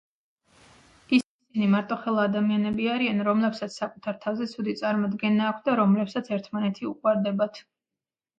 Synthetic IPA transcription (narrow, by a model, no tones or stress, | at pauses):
isisinimaɾt̪ʼɔχɛlˠaːd̪amianɛbiaɾianɾɔmlɛpsat̪sʰsakʼut̪ʰaɾt̪ʰavzɛt̪sʰud̪it̪sʼaɾmɔd̪ɡɛnaːkʷʰtd̪aɾɔmlɛpsat̪sʰɛɾt̪ʰmanɛt̪ʰiukʼwaɾd̪ɛbat̪ʰ